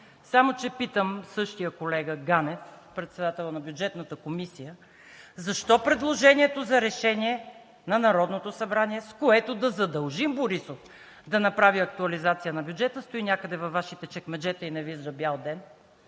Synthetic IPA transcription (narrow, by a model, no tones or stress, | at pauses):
samot͡ʃɛpit̪əmsɤʃt̪ijəkolɛɡəɡanɛfpɾɛt̪sɛd̪at̪ɛlˠənɐbjud͡ʒɛt̪nət̪əkomisijə | zɐʃt̪ɔpɾɛd̪lˠoʒɛniɛt̪ozɐɾɛʃɛniɛ | nɐnɐɾɔd̪not̪osɐbɾaniɛskoɛt̪od̪ɐzɐd̪ɐlˠʒimboɾisof | d̪ɐnɐpɾaviɐk̚t̪uɐlizat̪sijənɐbʲjud͡ʒɛt̪əst̪ʊinʲakəd̪ɛvɐfvːaʃit̪ɛt͡ʃɛkmɛd͡ʒɛt̪əinɐvizɾɐbjalˠd̪ɛn